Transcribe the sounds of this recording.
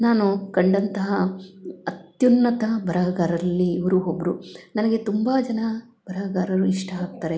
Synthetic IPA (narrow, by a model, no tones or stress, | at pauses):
naːnukɐɳɖɐnt̪ɐɦɐɐt̪junːɐt̪ɐbʱɐɾɐːɡaːɾɐlːiːʋɐɾuɦobɾunɐnɐɡe̞t̪umbɐd͡ʒɐnɐ | b̥ʱɐɾɐɐɡaːɾɐɾuiʂʈɐɦaːk̚t̪aːɾe